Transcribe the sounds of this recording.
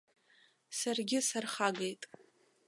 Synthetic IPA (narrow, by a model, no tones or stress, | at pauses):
sarɡʲɪsarχaɡejtʼ